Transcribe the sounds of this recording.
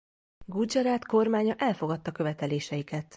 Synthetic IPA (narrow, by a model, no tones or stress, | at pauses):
ɡud͡ʒɒɾaːt̪ko̞rmaːɲɒʔɛlfo̞ɡɒt̪ːɒkø̞vɛt̪ɛleːʃɛjikɛt̪